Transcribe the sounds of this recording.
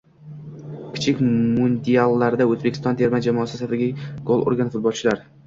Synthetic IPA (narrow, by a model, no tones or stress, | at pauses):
kʲʰɪ̥t͡ʃʰɪkʲmʊnd̪ialˠːaɾd̪aɵzbekʰʲɪ̥st̪ɒnt̪ʰe̞ɾmad͡ʒamɒːsɪsat̪aɡʲɪɡ̥olˠo̰ɾɡanfʊt̪̚bɒlˠt͡ʃʰɪlaɾ